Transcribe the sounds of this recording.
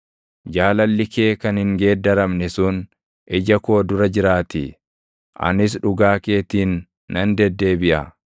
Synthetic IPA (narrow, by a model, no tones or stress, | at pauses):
d͡ʒaːlɐlːɪke̞ːkɐnhɪŋɡe̞ːd̪ːɐɾɐmnɛsʊn | ʔɛd͡ʒɐko̞ːd̪ʊɾɐd͡ʒɪɾaːt̪ɪ | ʔɐ̰nɪs̬ᶑʊɡaːkeːt̪iːnː | ɐnd̪ɛd̪ːe̞ːbɪʔɐ